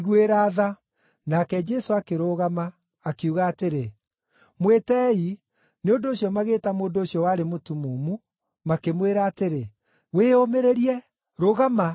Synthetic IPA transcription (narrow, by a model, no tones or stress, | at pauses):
ɣueɾaːða | nakɛd͡ʒɛsoakeɾoɣamaː | keuɣaːteɾe | mwetɛi | neondoːɕjɔmaɣeːtamoːndoɕjɔwaːɾemotumomu | makemweɾaːteɾe | weomeɾeɾiɛ | ɾoːɣama